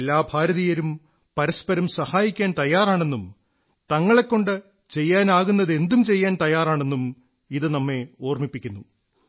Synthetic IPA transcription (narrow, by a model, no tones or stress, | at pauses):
lːaːbʱaːɾɐðijɐɾum | pɐɾɐspɐɾɐmsɐhaːjikʲːaːnt̪ɐjaːraːɳe̞nːum | t̪ɐŋːɐɭe̞kːo̞ɳɖɨ | t͡ɕe̞jːaːnaːɣunːɐðe̞nd̪umt͡ɕe̞jːaːnt̪ɐjaːraːɳe̞nːum | iðɨnɐmːe̞o̞ːrmipːikʲːunːu